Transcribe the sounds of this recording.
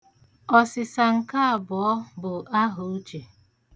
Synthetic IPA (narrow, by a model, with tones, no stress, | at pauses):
ɔ˨sɪ˨sa˨ŋ̩˨ka˦a˨bɔ˨ɔ˦bʊ˨ʔa˦ɦo˨u˦t͡ʃe˨